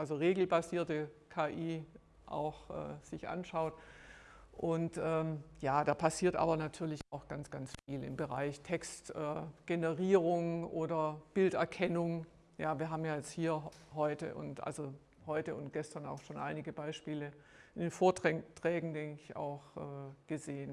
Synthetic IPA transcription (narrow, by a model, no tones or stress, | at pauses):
ʔalzoʁeːɡl̩baziːɐtəkʰaːʔiː | ʔa̰ʊxʔɛ̰ːz̥ɪçʔa̰nʃaʊt | ʔʊntʔɛːmjaːdaːpʰasiːɐtʔa̰ːbɐnatʰyːɐlɪçaʊxɡ̥ant͡sɡ̥ant͡sfiːlɪ̰mbəʁa̰ɪçtʰɛkstʔɛːɡ̥enəʁiːʁ̞ʊŋʔoːdɐb̥ɪltɛɐkʰɛnʊŋ | jaːviːɐɦaːbm̩jaːjɛt͡sthiːɐhɔʏtə̰ʔʊ̰ntʔa̰lzo | hɔʏtəʊnt̚ɡ̥ɛstɐna̰ʊxʃoːnʔaɪnɪɡəbaɪʃpiːlə | ʔɪndeːnfoːɐtɛtʁ̥ɛːɡŋ̩dɛŋkəɪça̰ʊxʔɛːɡ̥əzeːən